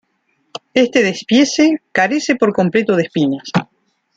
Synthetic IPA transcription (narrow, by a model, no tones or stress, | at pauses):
est̪eðespjesekaɾese̞po̞ɾko̞mplet̪oð̞espinas